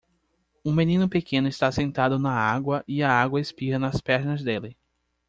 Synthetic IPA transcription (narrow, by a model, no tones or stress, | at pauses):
ũmẽnĩnʊpekẽnʊɪst̪asẽnt̪ad̪ʊnɐaɡwɐʔiɐaɡwɐespiɾɐnɐspɛɾnɐzd̪elɪ